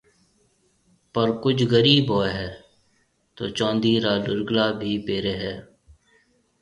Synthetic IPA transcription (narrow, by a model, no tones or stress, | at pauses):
pəɾkʊd͡ʒɣəɾiːbɦoːɦɛː | t̪o̰ːt͡ʃɔ̃ːnd̪iːɾaːlʊɾɡlaːbʱiːpeːɾeːɦɛː